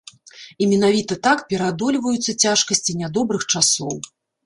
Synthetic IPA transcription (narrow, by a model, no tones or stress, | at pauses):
imʲɛn̪avʲit̪ɐt̪akpʲɛɾad̪ɔlʲvɐjut̪sːɐt͡sʲaʂkɐsʲt͡sʲinʲad̪ɔbɾɨxt͡ʂasɔw